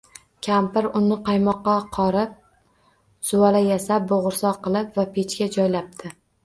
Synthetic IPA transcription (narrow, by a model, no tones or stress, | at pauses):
kʲʰampɪɾʊnɪqɑjmɒqːɑqʰɒɾɪp̚ | sʊwalajasap̚boʁʊɾsɒqɨlˠɪpvapʰet͡ʃkʲad͡ʒɒjlap̚t̪ʰɪ